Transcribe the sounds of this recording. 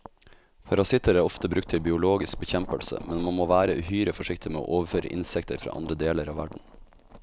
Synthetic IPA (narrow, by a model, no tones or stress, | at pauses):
pʰɑɾɑsɪt̪əɾæːɾɔft̪əbɾʉk̚t̪ʰɪlbɪʊloːɡɪsk̚bəçɛmpəlsə̰mɛnmɑnmoːʋæːɾəʔʉhyːɾəfɔʂɪkt̪ɪmeːo̰ːʔoːʋəɾføːɾə̰ʔɪ̰nsɛkt̪ʰəɾfɾɑ̰ːʔɑ̰nd̪ɾəd̪eːləɾɑːʋæɖɳ̩